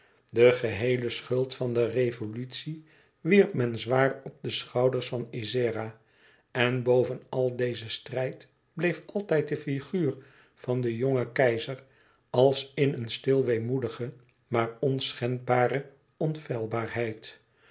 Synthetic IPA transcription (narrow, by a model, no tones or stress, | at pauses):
dəχəɦejləsχɵlˠtfɑndərejvolytsi | ʋiɹp̚mɛnzʋaːrɔb̚dəsχɑwdəɹsfɑnizɪːra | ɛnbowvənɑlˠdejzəstrɛjt | b̥lejfɑlˠtɛjt̚dəfiχyːr | vɑndəjoŋəkɛjzər | ɑlˠsɪnənstɪlˠʋejmudəχə | maːɹɔnsχɛnbaːɾə | ɔnfɛlˠbaːɹɦɛjt